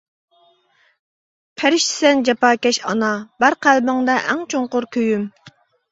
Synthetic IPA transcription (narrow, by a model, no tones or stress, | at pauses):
pʰæɾɪʃt̪ɪ̥sɛnd͡ʒɑpɑːkʲɛʃɑ̰nɑbæɾqʰælbɪŋd̪ɑʔæŋt͡ʃʰoŋqʊɾkʲʰøjym